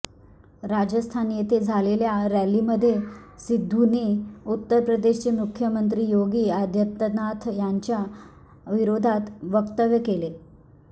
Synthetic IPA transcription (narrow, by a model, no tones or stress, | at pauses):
ɾad͡ʑəst̪ʰanjet̪ed͡zʱaleljaɾæliːməd̪ʱːjesid̪ʱːuniut̪ːəɾpɾəd̪eɕt͡ɕemukʰjəmənt̪̬ɾiːjoɡiːad̪ʱjət̪ənat̪ʰjaɲt͡ɕja | ʋiɾod̪ʱat̪ʋəkt̪əʋjəkele